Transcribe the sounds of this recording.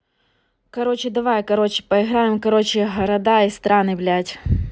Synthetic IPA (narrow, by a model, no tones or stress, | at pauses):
kɐɾot͡ɕɪd̪ɐʋajkɐɾot͡ɕɪ̥pɐɪɣɾajɪmkɐɾot͡ɕɪɦɐɾɐd̪aist̪ɾanɪblʲatʲ